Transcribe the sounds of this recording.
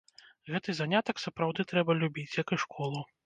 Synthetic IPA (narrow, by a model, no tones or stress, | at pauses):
ɣɛt̪ɨzanʲat̪ɐksɐpɾawd̪ɨt̪ɾɛbɐlʲubʲit͡sʲjɐkɨʂkʰɔlˠu